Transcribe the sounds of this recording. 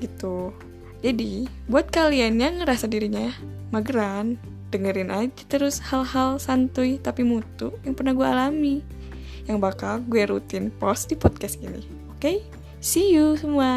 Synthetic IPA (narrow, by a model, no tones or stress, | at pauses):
ɡit̪u | d͡ʒadi | buat̪̚kalianjaŋəɾasadiɾiɲamaɡəɾan | d̥əŋəɾɪnʔad͡ʒat̪əɾʊshalhalsant̪ujt̪apimut̪ujaŋpərnahɡuaːlami | jaŋbakalɡuɛɾut̪ɪnpɔsdipɔt̪̚kasɡinḭ | oke | sijusəmua